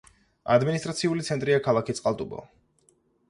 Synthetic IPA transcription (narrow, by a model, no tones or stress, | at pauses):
a̰d̪minist̪ʼɾat̪sʰiulit̪sʰɛnt̪ʼɾiakʰalˠakit̪sqʼalˠt̪ʼubɔ̰